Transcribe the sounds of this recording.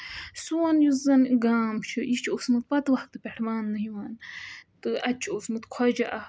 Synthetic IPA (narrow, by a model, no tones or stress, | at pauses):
suwɐnjuzɐnɡaːmt͡ʃʰɨʔit͡ʃʰosmɨt̪pɐt̪ʋɐhk̚t̪ɨpʲeʈʰmaːnːɨɦiwaːnt̪ɨʔɐt͡ʃʰiosmɨt̪kʰɔd͡ʒɐʔɐ